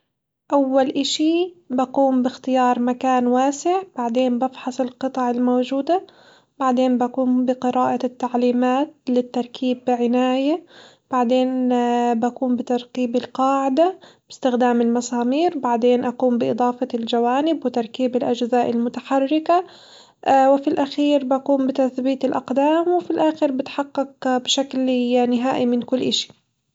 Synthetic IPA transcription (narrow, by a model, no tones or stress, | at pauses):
ʔawːalʔɪʃibaquːmbɪxt̪ɪjɑːɾˤmakaːnwaːsɪʕb̥aʕd̪eːmbɑfħɑsˤɪlqɨt̪ˤɑʕɪlmoːd͡ʒuːd̪a | baʕd̪eːnbaquːmbɪqɨɾɑːʔat̪ːaʕliːmaːt̪̚lɪt̪ːɑɾˤkʰiːbɪʕɪnaːja | b̥aʕd̪eːnbakuːmbɪt̪ɑɾˤqiːbɪlqɑːʕɪd̪ab̥ɪst̪ɪxd̪aːmɪlmɑsɑːmiːɾbaʕd̪eːnʔaquːmbɪʔɨd̪ˤɑːfɑld͡ʒawaːnɪbwɪt̪ɑɾˤkiːbɪlʔad͡ʒzaːʔɪlmʊt̪aħarːɪka | wɪfilʔaxiːɾbaquːmbɪt̪aθbiːt̪ɪlʔa̰qd̪aːmwɪfilʔaːxɪɾbɪt̪ħɑqːɪq̚bɪʃakljːanɪɦaːʔimɪnkʊlːʔɪʃi̥